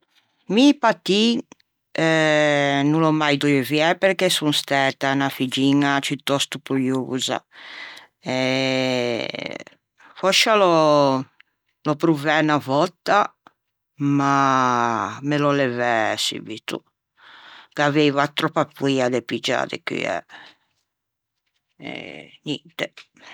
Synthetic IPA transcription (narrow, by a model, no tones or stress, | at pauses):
mipat̪i | ɛ | nulɔmajd̪ɔɛviɛpɛɾkɛsunst̪ɛt̪anafid͡ʒiːnat͡ʃut̪ːɔst̪upuluːza̰ | ɛ | fɔʃalɔ | lɔpɾuvɛnavɔt̪ːa | ma | melɔlɛvɛsḭvit̪ṵ | kavɛjvat̪ɾɔpːapwiad̪epid͡ʒa̰ːd̪ɛ̰ky̰ɛ̰ | ɛ̰nɛnt̪ɛ